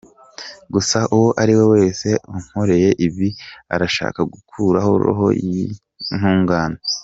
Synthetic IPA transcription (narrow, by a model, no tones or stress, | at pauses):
ɡusaʔuwoʔaɾiwe̞we̞ːse̞uŋ̥ho̞ɾe̞je̞ʔiβia̰ɾaʃa̰ːkaɡukʰuːɾahoo̰ɦo̞̰ | n̥huːŋɡaːna